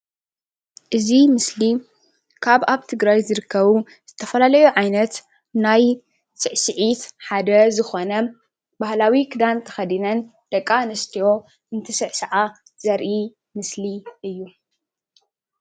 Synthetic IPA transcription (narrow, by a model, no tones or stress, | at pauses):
ʔɨzimɨsli | kʰaβaβt̪ʰɨɡɾajzɨɾɨkʰːɐβu | z̥ɨt̪ʰɐfɐlalɐjuʕajnɐt̪ | naj | sɨʕsɨʕit̪ħad̪ɐzɨxo̞nɐ | bahlawikʰɨd̪ant̪ʰɐxɐd̪inɐn | d̪̥ɐkʼːanɨst̪ʰijo̞ | ɨnt̪ʰɐsɨʕsɐʕa | z̥ɐɾʔi | mɨsliɨjːu